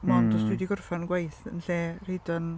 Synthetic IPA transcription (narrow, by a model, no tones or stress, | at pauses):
mɔndɔsdwɪdiɡʊrfanɡwajθənɬeːredɔn